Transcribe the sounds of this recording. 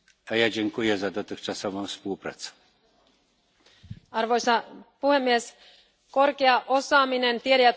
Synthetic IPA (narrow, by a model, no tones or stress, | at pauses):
ajad͡ʑeŋkujɛzad̪ɔt̪ɘxt͡ʂasɔvɔ̃w̃fspuwpɾa̰t̪sɛ̥ | ɑrʋo̞jsɑpuhe̞mːies | ko̞rkeɑʔosɑːminent̪ieɾæjæt̪